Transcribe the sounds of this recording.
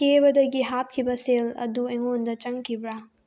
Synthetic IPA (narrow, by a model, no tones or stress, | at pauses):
kebɐdɐɡiɦap̚kʰibɐselɐ̰dueŋondɐt͡ʃɐŋkʰibɾa